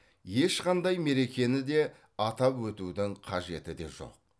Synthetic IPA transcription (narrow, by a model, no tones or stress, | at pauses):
je̞ʃqɑnd̪ɑjme̞ɾe̞kʲe̞nɪd̪e̞ | ɑt̪ɑpwɵt̪ud̪ɪŋqʰɑʒe̞t̪ɪd̪e̞̰ʒo̞̰q̚